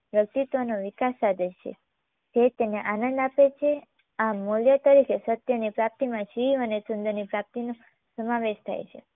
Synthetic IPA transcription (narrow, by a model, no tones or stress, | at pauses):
jək̚t̪it̪ʋonoʋikasad̪ʱet͡ʃʰḛ | d͡ʒet̪eneʔanə̃nd̪apet͡ʃʰe | amoljət̪əɾikʰesət̪jənipɾap̚t̪imãʃiiʋənesʊnd̪əɾnipɾap̚t̪ino | səmaʋeʃt̪ʰa̰jt͡ʃʰḛ